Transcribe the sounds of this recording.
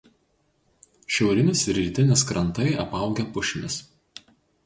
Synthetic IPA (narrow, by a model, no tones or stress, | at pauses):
ʃʲɛʊɾʲɪnʲɪsɪɾʲɾʲiˑt̪ʲɪnʲɪskɾɐnˑt̪ɐɪɐpɐˑʊɡʲɛpʊʃʲɪmʲɪs